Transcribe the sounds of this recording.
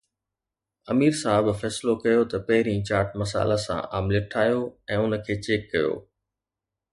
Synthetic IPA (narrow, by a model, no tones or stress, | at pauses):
ɐmiːɾsaːɦɪbfɛːsɪlokɐjot̪ɐpɐɦɪɾĩːt͡ɕaːɾʈmɐsa̰ːlasã̰ʔaːmlɪʈʰaːjoɛ̃ːʊnə̆kʰeːt͡ɕeːkːɐjo̰ː